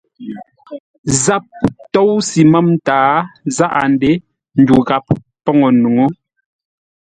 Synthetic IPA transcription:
za˦˨p̚tɔ˦˨wsi˨ma˦m˦taː˨˦za˦ʔa˨n˦de˦ | n̩˨du˨ɣa˨p̚ | pɔ˦ŋɔ˨nu˨ŋo˦

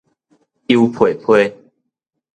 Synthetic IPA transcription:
i˦upʰwe˨˩pʰwe˥˦

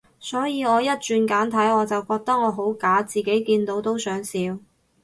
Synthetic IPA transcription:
sɔː˨˥jiː˨˧ɔː˨˧jɐ˥t̚t͡ʃyː˨˧nkaː˨˥nt̪ʰɐ˨˥jɔː˨˧t͡sɐ˨wkɔː˧k̚t̪ɐ˥k̚ŋɔː˨˧ɦo˨˥wkaː˨˥t͡siː˨˩ke˨˥jkiː˧nt̪o˨˧˥wt̪o˥wsœː˨˥ŋsiː˨˧w

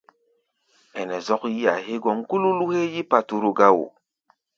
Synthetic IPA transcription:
ɛ˨nɛ˨zɔ˦kji˦a̰˨ɦe˦ɡɔ˦ŋku˦lu˦lu˦he˦ji˦pa˨tu˦ɾu˦ɡa˦wṵ˨

